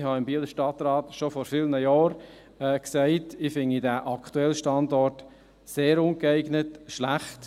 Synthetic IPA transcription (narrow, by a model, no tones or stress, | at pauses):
hɑɪmbiːləʃtɑt̪ɾɑːtʃɔfɔɾfɪlnəjɑːɾ | ɛksæɪtɪfɪnidæʔɑkʰtuɛlʃtɑndɔɾt | seːɾʊnkɛɪɡnətʃlæχt